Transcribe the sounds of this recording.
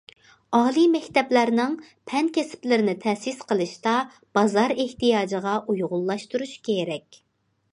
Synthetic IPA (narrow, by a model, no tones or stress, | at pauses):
ɑːlˠimɛkʲt̪ɛplæɾnɨŋ | pʰɛnkʲʰɛsɪ̥plɪɾɪnɪt̪ʰɛsisqəlˠɨʃt̪ɑ | b̥ɑzɑɾeht̪ijɑːd͡ʒəʁɑʔujʁʊlˠːɑʃt̪uɾuʃkʲʰeɾɛkʲ